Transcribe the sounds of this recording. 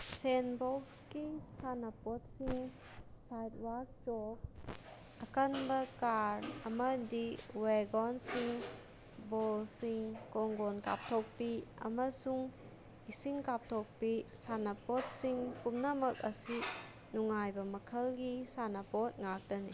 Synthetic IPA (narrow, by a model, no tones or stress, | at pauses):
senbɔkskisanɐpot̚siŋ | sajtwak̚t͡ʃɔk̚ | ɐkənbɐkaɾɐmɐdiweɡɔnsiŋ | bolsiŋkɔŋɡonka̰p̚tʰok̚piɐ̰mɐsuŋ | isiŋkap̚tʰok̚pisanɐpot̚siŋkumnɐmɐk̚ɐsi | nuŋajbɐmɐkʰəlɡisanɐpot̚ŋak̚dɐni